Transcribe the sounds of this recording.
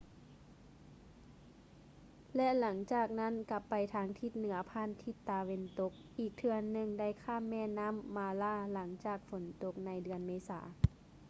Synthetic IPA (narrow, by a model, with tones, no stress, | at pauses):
lɛ˧˥la˩˦ŋt͡ɕaː˨˩k̚na˧˥˨nka˧pːa˨jt̪ʰaː˧ŋt̪ʰi˧˥t̪̚nɯ˩˦ɐpʰaː˧˥˨nt̪ʰi˧˥t̪ːa˧we˧nt̪o˧˦k̚ʔiː˨˩k̚t̪ʰɯ˧ɐnːɯ˧ŋda˥˩˨jkʰaː˧˥˨mːɛː˧˥˨na˧˥˨mːaː˧laː˧˥˨la˩˦ŋt͡ɕaː˨˩k̚fo˨˩˦nt̪o˧˦k̚na˧˥jdɯ˧ənmeː˧˥sa̰ː˩˦